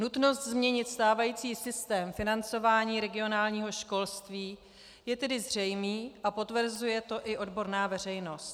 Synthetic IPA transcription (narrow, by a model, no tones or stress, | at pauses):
nut̪no̞st̪zmɲɛɲɪt̪st̪aːvajiːt͡siːsɪst̪ɛːmfɪnant͡so̞vaːɲiːɾɛɡɪo̞naːlɲiːɦo̞ʃko̞lst̪viː | jɛt̪ɛdɪzr̝ɛjmiːʔapo̞t̪vr̩zujɛt̪oʔɪʔo̞dbo̞ɾnaːvɛr̝ɛjno̞st̪